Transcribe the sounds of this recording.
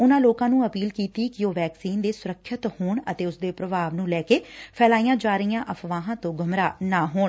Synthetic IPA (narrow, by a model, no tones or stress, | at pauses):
ʊnãːloːkãːnũːəpiːlkiːt̪iːkɪoːʋɛːksiːnd̪eːsʊɾəkʰːət̪hoːɳət̪eːʊsd̪eːpɾəbaːʋnũːlɛːkeːpʰɛːlaːiːjãːd͡ʒaːɾəijãːʔəpʰʋãːɦãːt̪õːɡʱəmɾaːnaːɦoːɳ